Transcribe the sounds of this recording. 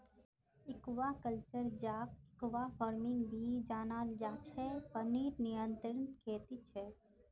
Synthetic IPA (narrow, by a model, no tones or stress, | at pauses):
ɪkʋaːkəlt͡ʃəɾd͡ʒaːkɪkʋafɔːɾmɪ̃ŋɡbʱid͡ʒaːnaːld͡ʒaːt͡ʃʰɛpɐniːɾnijə̃nt̪ɾənkʰeːt̪it͡ʃʰɛ